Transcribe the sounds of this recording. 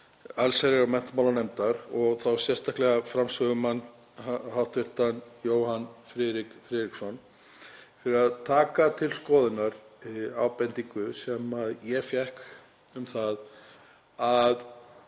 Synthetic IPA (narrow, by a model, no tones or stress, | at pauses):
alsaɾɪɣamɛn̥t̪mawlanejmt̪aɾɔɣθawsjɛr̥st̪ʰahklɛɣafɾamsvœɣʏman | hawht̪vɪr̥t̪anjoːwhanfɾɪðɾɪkfɾɪːðɾiksɔn | fɪɾɪɾaðt̪ʰaːkat̪ʰɪlskɔːðɪnaɾ̥aːwpɛnt̪iŋkʏsɛmaðjɛfjɛhk | ʏmθað | að